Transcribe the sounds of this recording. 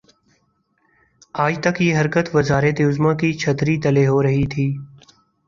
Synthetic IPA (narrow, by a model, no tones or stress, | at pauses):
aːd͡ʒt̪əkjeːɦəɾkət̪ʋəzaːɾet̪eʊzmãːkiːt͡ʃʰət̪ɾiːt̪əleːɦoːɾəɦiːt̪ʰiː